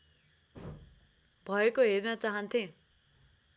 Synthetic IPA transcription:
bʱʌekoɦernʌt͡saɦʌnt̪ʰẽ

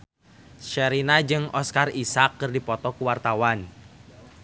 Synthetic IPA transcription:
ʃɛɾinad͡ʒɨŋʔɔskarisakːɨrdipɔt̪ɔkuwart̪awan

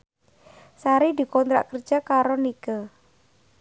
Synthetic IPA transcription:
saɾid̪i̤kɔnt̪ɾa̰ʔkərd͡ʒ̥akaɾonikə

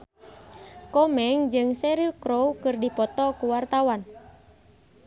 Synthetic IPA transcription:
kɔmɛŋd͡ʒɨŋsɛɾilkɾowkɨrdipɔt̪ɔkuwart̪awan

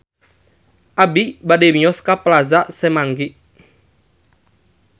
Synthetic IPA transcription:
ʔabibademiɔskaplazaʔsɛmaŋɡiʔ

